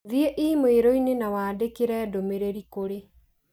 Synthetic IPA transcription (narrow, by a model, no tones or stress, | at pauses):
ðiɛʔimoeɾɔinenawaːdekeɾɛːdomeɾeɾikoɾe